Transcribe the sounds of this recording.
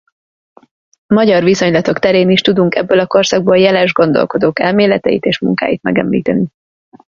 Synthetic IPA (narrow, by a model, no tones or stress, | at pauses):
mɒɟɒrviso̞ɲlɒt̪o̞kt̪ɛɾeːniʃt̪ud̪uŋkɛbːølɒko̞rsɒɡ̚boljɛlɛʒɡo̞n̪d̪o̞̰lko̞d̪oːkɛlmeːlɛt̪ɛjḭt̪eːʃmṵŋka̰ːjit̪mɛɡɛ̰mlḭːt̪ɛni